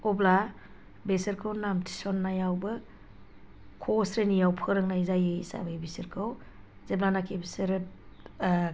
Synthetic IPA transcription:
ɔbla | besɯɾkʰɯwnamtʰi̥sɔnːajawbɯ | kʰosɾenijawpʰɯɾɯŋnajzajeisa̰bajbisiɾkʰɯw | zeblanakʰibisɯɾɯ

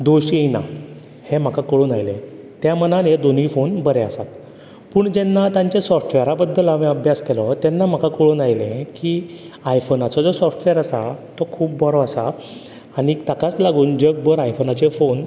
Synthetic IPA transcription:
d̪oɕiejna̰ | hem̤akakəɭuːnajlḛ̃ | t̪jamənaned̪onifonbəɾeəsat̪ | puːɳd͡ʑɛnːat̪ãɲt͡ɕesɔfʈʋɛɾabəd̪ːəlamiəbʱjaskelɔt̪ɛnːam̤akakəɭuːnajlẽkiː | ajfonat͡sɔd͡zɔsɔfʈʋəɾəsat̪ɔkʰuːp̚bʱɔɾɔəsaː | ɽit̪akat͡slaɡuːnd͡ʑəɡ̚bəɾajfonat͡ɕefon

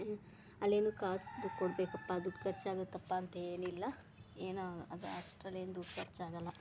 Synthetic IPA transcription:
ɐlːeːnuːkaːsd̪ukoɽbeːkɐpːad̪uːʈkɐɾt͡ʃaːɡot̪ːɐpːaːɐnt̪eːnilːɐ | eːnaɐd̪asʈɐleːnd̪uːɖkɐɾt͡ʃaːɡɐlːɐ

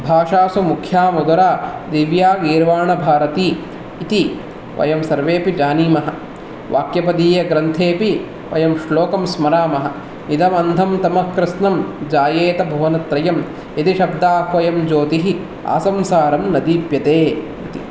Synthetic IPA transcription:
bʱaːʂaːsumukʰjaːmud̪ɐɾaːd̪iʋjaːɡiːɾʋaːɳɐbʱaːɾɐt̪iː | t̪i | ʋʔɐ̰jɐmsɐɾʋeːpid͡ʒaːniːmɐɦɐ̆ | ʋa̰ːkjɐpɐd̪iːjɐɡɾɐnt̪ʰeːpi | ʋɐ̰jɐmʃloːkɐmsmɐɾaːmɐɦɐ̆ | nid̪ɐmɐnd̪ʱɐmt̪ɐmɐhkɾɪsnɐmd͡ʒaːjeːt̪ɐbʱuːnɐt̪ɾɐjɐm | it̪iʃɐbd̪aːhʋɐjɐmd͡ʒoːt̪iɦi | a̰ːsɐmsaːɾɐmnɐd̪iːpjɐt̪eː | it̪i

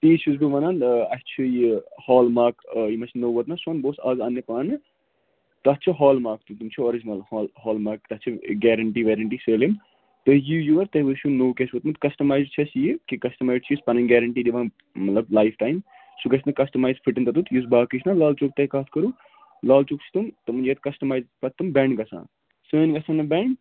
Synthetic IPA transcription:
t̪it͡ʃʰuzbɨʋɐnanɐst͡ʃʰijihɔːlmaːkjimɐsnowʋɐt̪nɐsɐnboːsɐzɐnːjɐpanɨ | t̪ɐtt͡ʃʰiɦɔːlmaːk̚t̪ut̪umt͡ʃʰuoɾid͡ʒinɐlhɔlɦɔːlmaːk̚t̪ɐtt͡ʃʰiɡɛːɾɐɳʈiʋeɾɐɳʈiːselim | t̪ɐjijuʋɐɾt̪ɐʋɨʃʰunoːkʲesʋɐt̪mɨt̪kɐsʈɐmaːjzt͡ʃʰɐsjikikɐsʈɐmaːjɖt͡ʃʰispɐnɐnɡɛɾɐɳʈiːd̪iʋaːn | mɐt̪lɐblaːjfʰʈaːjm | sukɐt͡ʃ̪nɨkɐsʈɐmaːjzpʰiʈɨnt̪ɐt̪ut̪ʰjus̬baːkit͡ʃʰnalaːlt͡ʃuk̚t̪ɐkaːt̪ʰkɐɾu | laːlt͡ʃukt͡ʃʰt̪umt̪ɐmɨnd͡ʒet̪kɐsʈɐmaːjzpɐt̪ːɨmbɛ̃ɳɖɡɐsã̰ːn | səːnɡɐsãːnɨbɛɳɖ

